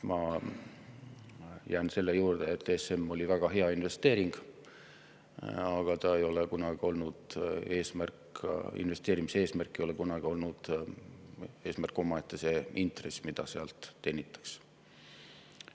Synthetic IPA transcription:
mɑ | jæːnse̞lːejuːrd̪̥eet̪ːˑese̞mːo̞lʲivæɡ̥ɑɦe̞ɑinve̞st̪eːɾiŋɡ̥ | ɑɡ̥ɑt̪ɑejo̞lekunɑɡ̥io̞lnud̪̥e̞ːsmærkḭnve̞st̪eːɾimise̞ːsmærkːˑejo̞lekunɑɡ̥io̞lnud̪̥ | e̞ːsmærkːˑo̞mɑe̞t̪ːˑese̞int̪re̞smid̪̥ɑseɑlt̪ːe̞ːnʲit̪ːˑɑ̥ks

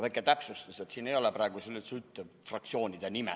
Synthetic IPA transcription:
væjkːˑet̪æpsust̪use̞t̪siːne̞jo̞lepɾɑːɡuselːisyt̪ːˑefrɑk̚t̪sio̞ːnʲid̪̥enimɛ

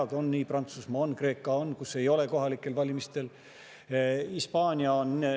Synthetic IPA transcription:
ɑd̪o̞nːiːprɑnt̪susmɑo̞nkre̞ːkːˑɑonːkuse̞jo̞le̞ko̞ɦɑlikːˑe̞lvɑlʲimist̪e̞l | ispɑːnʲiɑon

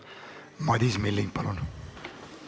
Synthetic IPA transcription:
mɑd̪ismilːiŋ̚pɑlun

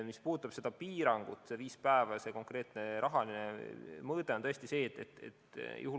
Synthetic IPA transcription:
mispuːd̪t̪ːˑɑb̥se̞d̪̥ɑpiːɾɑŋɡ̥ut̪ːˑse̞viːspæevɑse̞ko̞ŋkre̞ːt̪ˑne̞ɾʔɑɦɑlinemɤːd̪̥eot̪ɤ̞est̪ise̞ːt̪ːet̪ḛt̪jʔṵhu

